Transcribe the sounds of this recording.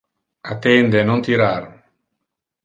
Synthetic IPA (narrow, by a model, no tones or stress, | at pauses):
at̪end̪enõnt̪iɾaɾ